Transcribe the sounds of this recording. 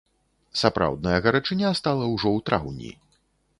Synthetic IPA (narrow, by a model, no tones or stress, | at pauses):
sapɾa̰wd̪̚nɐjɐɣɐɾat͡ʂɨnʲast̪alˠɐwʐɔwt̪ɾawnʲḭ